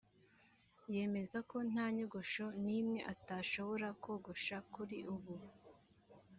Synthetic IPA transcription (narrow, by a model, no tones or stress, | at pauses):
je̞ːme̞zako̞n̥aːɲoɡoʃo̞niːmŋe̞ʔataːʃo̞βo̞ɾako̞ːɡoʃakuɾiʔuβu